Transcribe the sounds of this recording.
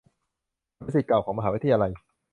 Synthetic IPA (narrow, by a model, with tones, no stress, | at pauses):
nma˦˥˩si˨˩klaː˨˩wkʰɔː˩˦ŋma˧ɦaː˩˦˥t̪ʰːja˧la˧j